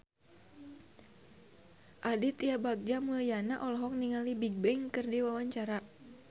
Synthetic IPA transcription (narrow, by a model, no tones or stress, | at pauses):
ʔadit̪iabak̚d͡ʒamulijanaʔɔlɔɦɔk̚niŋalibiɡ̚bɛŋkɨrdiwawaɲt͡ʃaɾa